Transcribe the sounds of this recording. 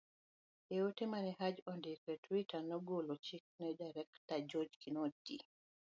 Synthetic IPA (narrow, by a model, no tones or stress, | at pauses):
eotemanɛhɦad͡ʒɔndɪkɛtwitanɔɡolot͡ʃik̚nɛdaɾɛktad͡ʒod͡ʒkinodi